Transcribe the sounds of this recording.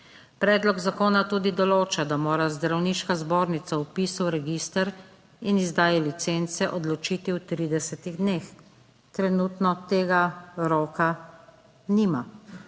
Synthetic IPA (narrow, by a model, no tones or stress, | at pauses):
pɾɛːd̪lɔɡzakoːnat̪ud̪id̪ɔloːt͡ʃad̪amoːɾazd̪ɾawniːʃkazboːɾnit̪saupiːsəwɾɛɡiːst̪əɾ | inizd̪aːjɛlit̪sent̪sɛʔɔd̪lɔt͡ʃiːt̪iwt̪ɾiːd̪ɛsɛt̪iɣd̪neːx | t̪ɾɛnut̪nɔt̪eːɡaɾɔːka | nima